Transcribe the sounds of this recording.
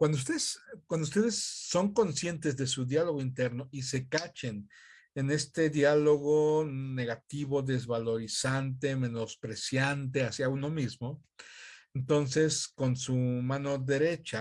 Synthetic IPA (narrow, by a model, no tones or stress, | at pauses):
kwand̪oust̪eðeskwand̪oust̪e̞ðesːo̞ŋko̞nsje̞nt̪ezðe̞suðjalo̞ɣo̞int̪e̞ɾno̞ʔise̞kat͡ʃe̞n | e̞ne̞st̪e̞ðjalo̞ɣo̞ne̞ɣat̪iβo̞ðe̞zβalo̞ɾisant̪e̞me̞no̞spɾe̞sjant̪̬e̞asjauno̞mizmo̞ | ent̪o̞nse̞sko̞nsumãno̞ðe̞ɾe̞t͡ʃa